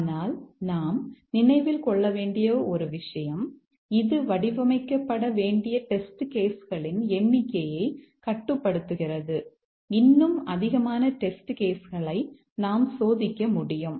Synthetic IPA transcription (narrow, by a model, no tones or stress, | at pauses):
naːlnaːmnɪnɐɪʋɪlkɔɭːɐʋeːɳɖɪjoːɔɾɯʋɪʂɐjɐm | ɪðɯʋɐɽɪʋɐmɐɪkːɐpːɐɽɐʋeːɳɖɪjɐʈɛsʈɯkeːsɣɐɭɪnɛɳːɪkːɐjɐɪkɐʈːɯpːɐɽɯt̪ːɯɣɪrɐðɯ | ɪnːɯmɐðɪɣɐmaːnɐʈɛsʈɯkeːsɣɐɭɐɪ | naːmsoːðɪkʲːɐmʊɽɪjɯm